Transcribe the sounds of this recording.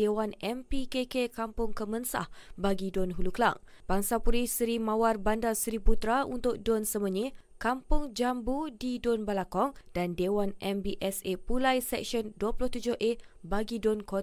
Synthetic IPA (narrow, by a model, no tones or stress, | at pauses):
ewanɛmpikekekampʊŋkəmənsa̰hbaɡidonɦulukla̰ŋ | b̥aŋsapuɾisɾimãwarbandalsɾiput̪ɾaṵnt̪ʊk̚donsəməɲi | kampʊŋd͡ʒambudidonbalakɔŋd̥andewanʔɛmbiʔɛsepulajsɛk̚ʃɔnduəpulʊht̪ud͡ʒʊhʔe | baɡidonkot